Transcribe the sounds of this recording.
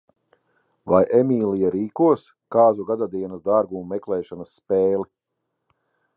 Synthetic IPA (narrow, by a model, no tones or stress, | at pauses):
vajʔɛmʲiːlˠijaɾiːkuɔs | kaːzuɡad̪ad̪iɛnɐsd̪aɾɡumːɛklˠɛːʃanɐsːpɛːli